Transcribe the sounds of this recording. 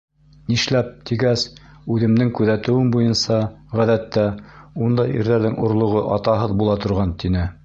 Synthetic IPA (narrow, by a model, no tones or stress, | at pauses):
niʃlæp̚t̪iɡæs | ʉðɘ̆mnɘŋkʉðæt̪ɘ̆wɘnbujɤnsɑʁæðæt̪ːæund̪ɑjḭɾðæɾðɘŋŏɾlˠŏʁoʔɑt̪ɑɦɤðbulˠɑt̪ŏɾʁɑnt̪inɘ